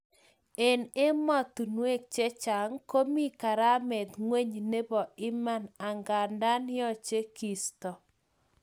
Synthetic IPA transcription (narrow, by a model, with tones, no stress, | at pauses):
e˨ne˦mɔ˦t̪u˨nwe˦k̚t͡ʃɛ˦t͡ʃa˨ŋko˦mi˦ka˨ɾa˦mɛ˨d̪ŋwe˦ɲne˦bɔ˨ɪ˦ma˦na˨ŋɡa˨nda˦nɪ˦ɔ˦˨t͡ʃe˦ki˨stɔ˨